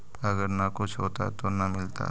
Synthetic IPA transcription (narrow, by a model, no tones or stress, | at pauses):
ɐɡəɾnakʊt͡ʃʰɦoːt̪a̰t̪onɐmɪlt̪a̰